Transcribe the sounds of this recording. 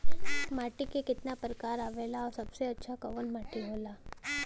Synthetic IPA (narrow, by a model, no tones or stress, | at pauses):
maːʈikekɪt̪napəɾəkaːɾaʋelaɔɾsəbseətːʃʰakəʋənmaːʈiɦoːlaː